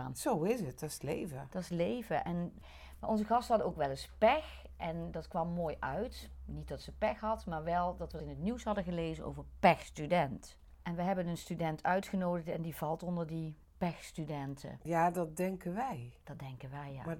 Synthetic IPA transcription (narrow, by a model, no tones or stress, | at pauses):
nsowɪsət̚d̥ɑslḛjvəd̥ɑɪslejvəʔɛn | maʔɔnzəɣɑstəɦɑdəowkʋɛlɪspɛx | ʔɛndɑtkʋɑmːoːjʔœɥtnit̚dɑtsəpɛxɦɑtmaːɹʋɛlˠdɑtʋəɪnətniwsɦɑdəɣəlejzəno̰wvəɹpɛxstydɛnt | ʔɛnʋəɦɛbənənstydɛntʰœɥtχənowdəɹtɛndivɑlˠtɔndəɹdi | pɛxstydɛntʰə̰jaːdɑt̚dɛŋkənʋɛjd̥ɑt̚dɛŋkənʋɛja̰maː